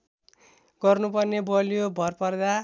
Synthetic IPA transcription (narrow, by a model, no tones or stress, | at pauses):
ɡ̥ʌrnupʌrnebʌlijobʱʌrpʌrd̪a